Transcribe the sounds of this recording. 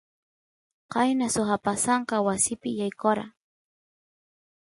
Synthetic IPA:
qɑjnasʊxapasɑɴqɑwasɪpɪjajkoɾa̰

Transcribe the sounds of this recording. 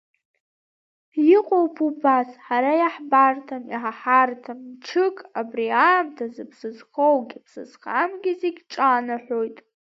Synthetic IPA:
jɪqʷʼowpʰubasħaɾajaħbartʰamiħaħartʰamʈ͡ʂʰɨkʼabriaːmtʰazɨpʰsɨzχowɡʲipʰsɨz̥χamɡʲɪzeɡʲʈ͡ʂʼanaħʷᶣo̞jtʼ

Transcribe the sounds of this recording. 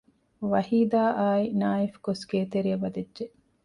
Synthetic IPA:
ʋɐhiːd̪aːʔaːinaːifkosɡeːt̪eɾiɐʋɐd̪edʒe

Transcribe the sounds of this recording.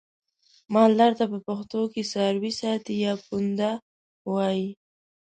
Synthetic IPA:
mɑllaɾt̪apəpaxt̪okesaɾwisɑt̪ijɑkund̪a | wɑji

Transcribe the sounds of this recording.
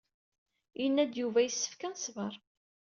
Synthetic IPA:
jənːæd̪juvæjəsːə̥fkænsvəɾˤ

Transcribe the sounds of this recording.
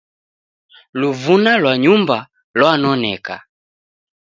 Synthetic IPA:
luvunalwaɲumba | lwanɔnɛka

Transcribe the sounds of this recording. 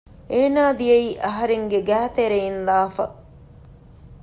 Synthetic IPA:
eːnaːd̪ijeiːʔɐɦɐɾeŋɡeɡæːt̪eɾeinlaːfɐ̰

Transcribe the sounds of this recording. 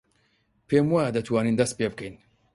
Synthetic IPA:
pʰeːmwad̪ɐt̪waːniːnd̪ɐst̪̚peːbɨkʰɛjn

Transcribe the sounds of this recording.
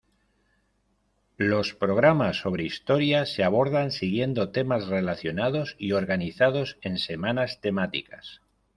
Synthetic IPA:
lo̞spɾo̞ɣ̞ɾamasːo̞β̞ɾe̞ist̪o̞ɾjase̞aβ̞o̞ɾðansiɣje̞nd̪o̞t̪e̞mazre̞laθjo̞nað̞o̞sio̞ɾɣaniθaðo̞se̞nse̞manast̪e̞mat̪ḭkas

